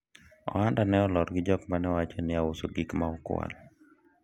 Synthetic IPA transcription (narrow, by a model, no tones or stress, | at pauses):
ɔ̰andanɛɔlɔɾɡɪd͡ʒɔkmanɛwat͡ʃonɪaosoɡɪkmaɔkw̰a̰l